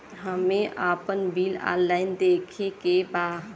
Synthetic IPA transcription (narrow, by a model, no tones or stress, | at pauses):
ɦəmeʔapənbʱilã̰llaɪnd̪ekʰekeba